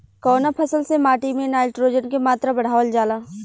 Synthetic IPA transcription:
kɔːnapʰəsəlsemaːʈimẽnaːɪlʈɾoːd͡ʒənkemaːt̪ɾabɐɽ̤aːʋəld͡ʒaːlaː

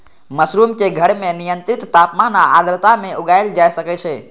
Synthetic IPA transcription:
məsɾumkeɡʱəɽmẽnijə̃nt̪ɾɪt̪ːapmanaad̪ɾət̪amẽʊɡaeld͡ʒajʃəket͡ʃʰe

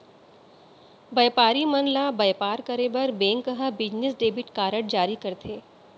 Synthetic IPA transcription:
bɐjpaːɾimɐnlabɐjpaːɾkɐɾebɐɾbẽːŋkːəɦãbɪd͡ʒnesɖeːbɪʈkaːɾəɽd͡ʒaːɾikɐɾt̪ʰeː

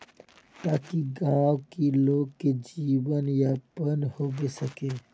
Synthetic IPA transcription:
t̪aːkiɡaːwkiloːɡ̚ked͡ʒiːʋənjapənhoːbesəkeː

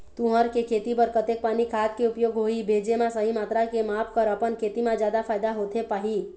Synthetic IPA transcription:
t̪uɦəɾkekʰet̪ipəɾkət̪ek̚paːnikʰat̪keupjoɡɦoibʱed͡ʒemãsəɦimaːt̪ɾakemapʰkəɾəpənkʰet̪imãd͡ʒjaːd̪apʰaːjd̪aɦot̪ʰepaːɦi

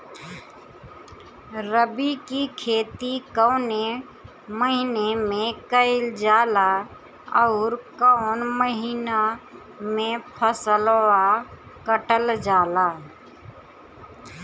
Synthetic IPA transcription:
ɾəbikikʰeːt̪ikəʊne | məɦinemẽkəɪld͡ʒaːla | əʊɾkəʊnməɦina | mẽpʰəsəlwa | kəʈəld͡ʒaːlaː

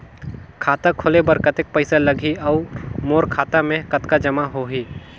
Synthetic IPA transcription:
kʰaːt̪akʰolebəɾkət̪ek̚pəɪsalɐɡʱiɔʊmoːɾkʰaːt̪amẽkɐt̪kad͡ʒɐmaɦoɦiː

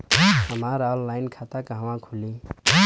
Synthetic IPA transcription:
ɦəmaɾɔlːajnkʰat̪akaɦawãkʰuli

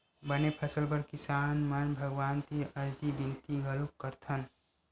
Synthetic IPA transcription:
bənepʰəsəlpəɾkisaːnmənbʱəɡʋaːnt̪iʔəɾd͡ʒibint̪iɡəlukːəɾt̪ʰən

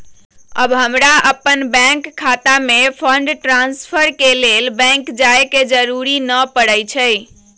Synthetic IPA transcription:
ə̰bɦəmɾaəpːənbɛ̃ŋkʰːat̪amepʰəɳɖʈɾanspʰəɾkelelbɛ̃ŋkd͡ʒaeked͡ʒəɾuɾinəpəɽəjt͡ʃʰəj

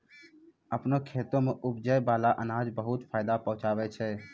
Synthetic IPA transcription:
əpnokʰeːt̪õmeʔʊpd͡ʒəjbaːlaʔənãːd͡ʒbəɦʊt̪pʰaːjd̪apə̃ɦʊ̃t͡ʃaːʋɛt͡ʃʰɛː

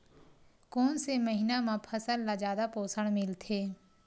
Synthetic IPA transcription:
koːnseməɦiːnãːmãːpʰəsəlːaːd͡ʒaːd̪apoːsəɽmɪlt̪ʰeː

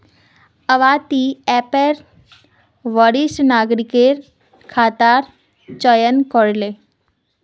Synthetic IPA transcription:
əʋaːt̪iɛpeɾ | ʋəɽisnaːɡɾikeɾ | kʰaːt̪aːɾ | t͡ʃəjənkɔɽle

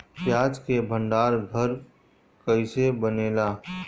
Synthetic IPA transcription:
pjaːd͡ʒkebʱə̃ɳɖaːɾbʱəɾ | kəɪsebəneːlaː

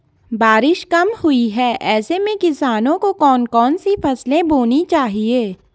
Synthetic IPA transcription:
baːɾɪʃkɐmhʊiɦɛːʔɛːsemẽkɪsaːnõkokɔːnkɔːnsifɐslẽboːnit͡ʃaːɦieː

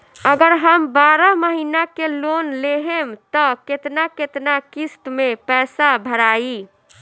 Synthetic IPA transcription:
əɡəɾɦəmbaɾəməɦinakelonleɦemt̪ɔket̪naket̪nakist̪mepɛsabʱəɾai

